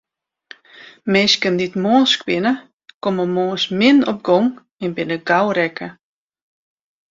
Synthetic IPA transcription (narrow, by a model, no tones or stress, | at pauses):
meːskənditmoːskwɪnə | koməmoːsmɪnɔp̚ɡɔŋ | ɛnbɪnəɡawɾɛkə